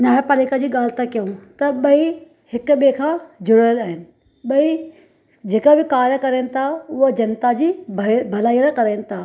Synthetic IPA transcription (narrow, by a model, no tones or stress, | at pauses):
naːjapaliːkad͡ʑiːɠaːl̤ɪt̪akijũt̪ɐɓɐi | hɪkʊɓekʰãːd͡ʑʊɽəəlaːɦɪnɪ̆ | ɓɐi | d͡ʑeːkabɪkaːɾjəkɐɾeːnɪ̆t̪ʰaʊɦod͡ʑɐnt̪ad͡ʑiːbbʱɐlaːiːəɾkɐɾeːnɪ̆t̪ʰaː